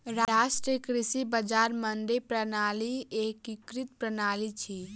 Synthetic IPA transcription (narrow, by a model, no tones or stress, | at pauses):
ɾaːsʈɾekɾɪsibəd͡ʒaːɾmənɖ̪epɾənaːlieːkikɾit̪̚pɾənaːlit͡ʃʰi